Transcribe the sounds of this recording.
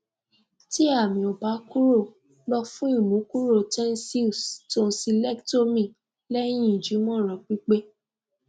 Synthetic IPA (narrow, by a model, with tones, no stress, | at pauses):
ti˦a˦˨mĩ˨ɔ˨ba˨˦ku˦ɾo˦˨ | lɔ˧fũ˦i˦˨mũ˨˦ku˦ɾo˦˨tɛ̃˦n˦si˦˨sto˦n̩˦si˧lɛ˦kto˦mĩ˦˨ | lɛ˦j̃ĩ˦˨d͡ʒi˨˦mɔ̃˦˨ɾ̃ɔ̃˨k͡pi˦k͡pe˦